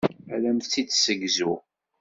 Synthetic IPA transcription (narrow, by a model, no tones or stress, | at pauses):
ælæmθt͡sːid̪səɡzu